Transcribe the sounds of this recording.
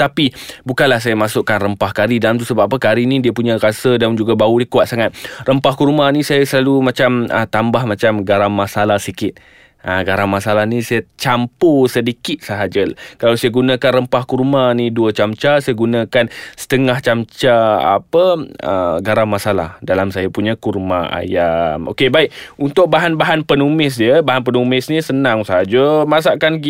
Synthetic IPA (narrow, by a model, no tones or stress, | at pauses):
t̪apibukanlahs̬ajamasʊʔkanrəmpahkaɾidalamt̪usəbaapəkaɾinĩdiəpuɲãɾasədand͡ʒuɡabaudikuat̪̚saŋat̪̚rəmpahkurmanĩsajasəlalumat͡ʃamə̰t̪ambahmat͡ʃamɡaɾaŋmasalahsikɪt̪̚ | ʔaɡaɾaŋmasalahnisajat͡ʃamposədikɪt̪̚səɦad͡ʒəlkalawsajaɡunãkanrəmpahkurmaniduət͡ʃamt͡ʃasajaɡunãkansə̥t̪əŋaht͡ʃamt͡ʃaa̰pəə̰ɡaɾamasala̰hdalamsajapuɲakurmaa̰jamo̰kebaikunt̪ʊk̚baɦanbaɦanpənumɪs̬diəbaɦanpənumɪsnisənaŋsəɦad͡ʒəmas̬aʔkani